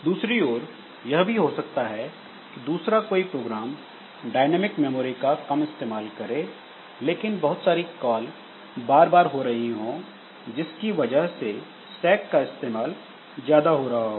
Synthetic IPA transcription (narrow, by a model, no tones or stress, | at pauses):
d̪uːsɾioːɾ | jɐɦbʱiɦosɐk̚t̪aɦɛ | kid̪uːsɾakoːipɾoːɡɾaːm | ɖaːɪnɛːmɪkmɛːmoːɾikakɐmɪst̪eːmaːlkɐɾẽ | leːkɪnbɐɦʊt̪saːɾikɔːl | baːɾbaːɾɦoɾɐɦiɦõ | d͡ʒɪskiʋɐd͡ʒəɦse | sɛːkːaɪst̪eːmaːl | zjaːd̪aɦoːɾɐɦaɦoː